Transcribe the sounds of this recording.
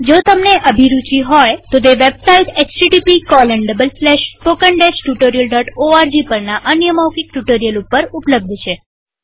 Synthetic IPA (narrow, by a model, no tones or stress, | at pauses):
d͡ʒot̪əmneʔəbʱiɾut͡ʃiɦɔjt̪ot̪eʋebsaiʈet͡ʃsiʈipikɔlɛɳɖəbəlslɛʃpokəɳɖesʈjuʈoɾijəlɖɔʈoaɾd͡ʒipəɾnaʔənjəmawkik̚ʈjuʈəɾijəlupːəɾupləb̚d̪ʱt͡ʃʰe